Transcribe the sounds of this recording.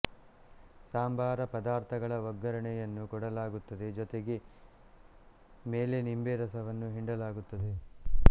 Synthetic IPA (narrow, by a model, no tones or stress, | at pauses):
saːmbʱaːɾɐpɐd̪aːɾt̪ʰɐɡɐɭɐʋɐɡːɐɾɐɳɛjɐnːukɔɽɐlaːɡut̪ːɐd̪e̞d͡ʒɔt̪eɡe̞ | meːlenimbeɾɐsɐʋɐnːuɦiɳɖɐlaːɡut̪ːɐd̪e